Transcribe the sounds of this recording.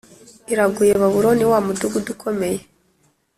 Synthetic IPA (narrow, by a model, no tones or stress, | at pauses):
iɾaɡujeβaβuɾoniwamuduɡudukʰo̞me̞je̞